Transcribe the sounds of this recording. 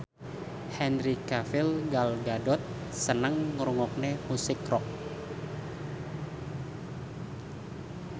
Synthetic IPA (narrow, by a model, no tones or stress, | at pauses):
hɛnɾikafɪlɡalɡadɔt̪̚ | sənəŋːəɾuŋɔk̚nemusɪkrɔk̚